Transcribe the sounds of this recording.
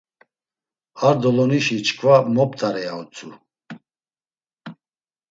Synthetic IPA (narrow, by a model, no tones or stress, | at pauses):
aɾd̪ɔlɔniʃit͡ʃʰkʰvamɔp̚t̪ʰaɾɛaɔt͡sʰu